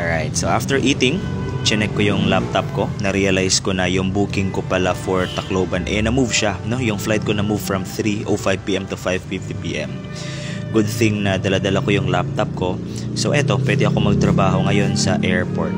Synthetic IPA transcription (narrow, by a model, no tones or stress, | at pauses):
ɹajt̪̚soʔaft̪ɛɹʔiːt̪ɪŋ | t͡ʃɪnɛk̚ːojʊŋlap̚t̪ɐp̚ko̞nɐɾiːjɐlajsko̞nɐjʊŋbuːkɪŋkopɐlafoɹt̪ɐkloːbɐnʔɛnɐmuvʃano̞jʊŋflajt̪̚ko̞nɐmuvfɹɐmθɾiʔofajvpiːʔɛmt̪ʊfajvfift̪ipḭːʔɛ̰m | ɡʊd̪̚θɪŋnɐd̪ɐlad̪ɐlɐko̞jʊŋlap̚t̪ɐp̚ko̞ | soʔɛt̪o̞pwɛːd̪ɛɐko̞mɐɡ̚t̪ɾɐbaːɦo̞ŋɐjo̞nsɐʔɛɹpo̰ɹt̪̚